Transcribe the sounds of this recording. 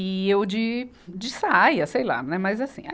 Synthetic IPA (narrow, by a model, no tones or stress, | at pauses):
iewd͡ʒɪ | d͡ʒɪsaajɐsejla̰nɛmɐzasḭ̃a̰